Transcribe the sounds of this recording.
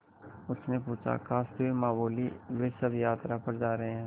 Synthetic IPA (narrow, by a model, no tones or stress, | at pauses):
ʊsʰnepuːt͡ʃʰa̰kaːst̪oemaːboːliʋeːsɐbjaːt̪ɾapɐɾd͡ʒaːɾɐɦeɦɛ̃ː